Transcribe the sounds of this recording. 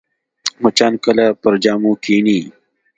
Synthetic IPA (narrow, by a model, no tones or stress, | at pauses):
mɐt͡ɕaːnkɐlapɐɾd͡ʑaːmũːkʰiːniː